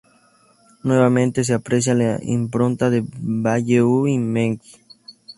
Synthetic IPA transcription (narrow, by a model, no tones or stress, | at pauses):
nweβamẽnt̪es̬eapɾes̬jalaḭmpɾont̪aðebaʝeuimẽŋki̥